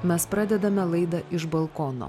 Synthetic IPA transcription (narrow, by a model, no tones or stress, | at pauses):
mʲɛspɾɑːd̪ʲɛd̪ɐmʲɛlˠɐɪd̪ɐʔɪʒbɐlˠkɔno̰ː